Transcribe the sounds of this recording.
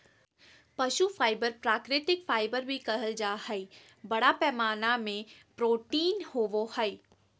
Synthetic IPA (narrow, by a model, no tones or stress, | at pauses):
pɐʃufʰaːɪbəɾpɾaːkɾɪt̪ɪkfaːɪbəɾbʱikɐɦəld͡ʒaːhɛi | bɐɽapɛːmaːnamẽpɾoːʈiːnhoːʋohɐɪ